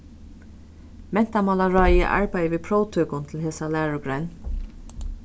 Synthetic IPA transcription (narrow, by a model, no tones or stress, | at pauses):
mɛn̥t̪amɑlaɹɑjə̰ʔa̰ɹpæjəʋiːpʰɾɔːwt̪ʰøːkʊnt̪ʰɪl̩ɦeːsalæːɹʊɡɾan